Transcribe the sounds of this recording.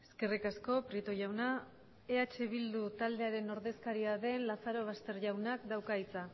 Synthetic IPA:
e̞ske̞rikasko̞pɾit̪o̞ʝawna | eat͡ʃe̞β̞ild̪ut̪ald̪e̞aɾe̞no̞ɾðe̞skaɾiaðe̞nlasaɾo̞β̞ast̪e̞ɾʝawnakd̪awkait͡sa

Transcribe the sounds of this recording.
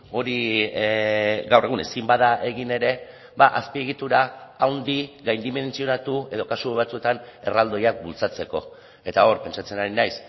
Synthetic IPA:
o̞ɾi | ɡawre̞ɣune̞simbaðaʔe̞ɣine̞ɾe̞ | baʔaspie̞ɣit̪uɾaawnd̪iɣajnd̪ime̞nt͡sio̞nat̪ue̞ðo̞kasuβ̞at͡sue̞t̪ane̞rald̪o̞jak̚bult͡sat͡se̞ko̞̰ | e̞t̪ao̞ɾpe̞nt͡ʃat͡se̞naɾinajs

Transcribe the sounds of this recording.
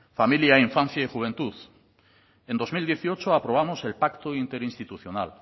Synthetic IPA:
familjaiɱfãn̟θjaixuβ̞e̞nt̪uð | end̪o̞zmild̪jeθio̞t͡ʃoapɾoβ̞amose̞lpakt̪oint̪e̞ɾinst̪it̪uθjonal

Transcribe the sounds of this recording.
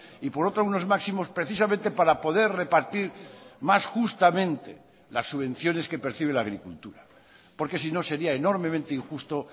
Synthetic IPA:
ipo̞ɾo̞t̪ɾouno̞zmaksimo̞spɾeθisamẽnt̪e̞paɾapo̞ðe̞ɾre̞paɾt̪iɾmasxust̪amẽ̞nt̪e | lasːuβ̞ẽ̞n̟θjo̞ne̞ske̞peɾθiβ̞e̞laːɣ̞ɾikult̪uɾa | po̞ɾke̞sino̞se̞ɾiaeno̞ɾmemẽnt̪eiŋxust̪o̞

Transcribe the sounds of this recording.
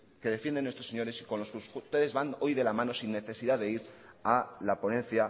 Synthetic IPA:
ke̞ðe̞fje̞nd̪enwest̪ɾoseɲo̞ɾe̞siko̞nlo̞skusust̪e̞ðe̞zβano̞jðe̞lamãno̞sinːe̞θe̞siðaðe̞iɾalapo̞nẽ̞nθja

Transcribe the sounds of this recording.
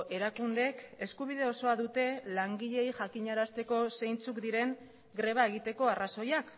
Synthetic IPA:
ʔe̞ɾakund̪e̞ke̞skuβ̞ið̞e̞o̞so̞aðut̪e̞laŋɡiʎe̞jʝakiɲaɾast̪e̞ko̞se̞jnt͡sukd̪iɾe̞ŋ | ɡɾe̞β̞ae̞ɣ̞it̪e̞ko̞araso̞jak

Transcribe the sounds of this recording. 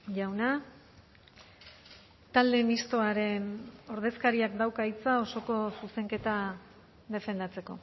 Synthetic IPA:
ʝawna | t̪ald̪e̞mist̪o̞aɾe̞no̞ɾð̞e̞skaɾiakd̪awkait͡sao̞so̞ko̞suse̞ŋke̞t̪a | ðe̞fe̞nd̪at͡se̞ko̞

